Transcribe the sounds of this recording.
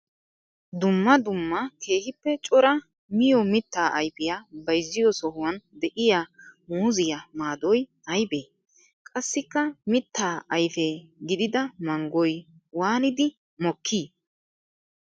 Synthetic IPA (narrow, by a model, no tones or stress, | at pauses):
d̪ʊmːɐd̪ʊmːɐke̞ːhɪpːɛt͡ʃʼɔɾɐ | mɪjɔmɪt̪ːaːʔɐjfɪjaːbɐjzːɪjɔsɔhʊwɐnd̪ɛʔɪjamuːzɪjamaːd̪ɔj | ɐjbeː | kʼɐsːɪkːɐmɪt̪ːaːʔɐjfɛɡɪd̪ɪd̪ɐmɐŋɡɔj | waːnɪd̪ɪ | mɔkʰːiː